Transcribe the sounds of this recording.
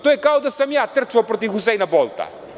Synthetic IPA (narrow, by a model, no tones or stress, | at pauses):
t̪uɛkawd̪ɐsɐmiat̪ɨɾt͡ʃuɐpɾɔt̪iuzɛjnɐbɔlˠt̪ɐ̰